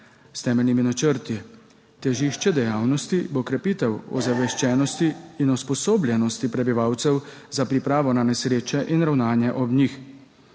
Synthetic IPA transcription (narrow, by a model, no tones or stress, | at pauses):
st̪ɛːmɛlniminat͡ʃəɾt̪i | t̪ɛʒiːʃt͡ʃɛd̪ɛjaːwnɔst̪ibokɾɛpiːt̪ɛwɔ̰zaʋɛʃt͡ʃɛːnɔst̪iːnɔspɔsoːblʲjɛnɔst̪ipɾɛbiʋaːwt̪sɛw | zapɾipɾaːʋɔnanɛsɾeːt͡ʃɛʔinɾawnaːnjɛʔɔbnix